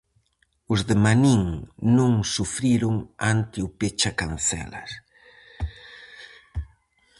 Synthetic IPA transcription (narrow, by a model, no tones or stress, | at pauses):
ʊzðemaniŋnũŋsufɾiɾʊŋant̪ɪʊpet͡ʃakan̟θɛ̰lɐ̰s